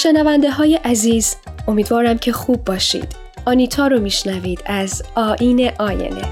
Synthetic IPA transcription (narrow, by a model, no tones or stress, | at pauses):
ʃe̞nævænd̪e̞ɦɒːje̞ʔæziːzo̞miːd̪vɒːɾæmcʰe̞xuːbːɒːʃḭːd̪̥ | ʔɒːniːt̪ʰɒːɾomiːʃnæviːd̪̥æzɒːʔiːne̞ʔɒːjḛnḛ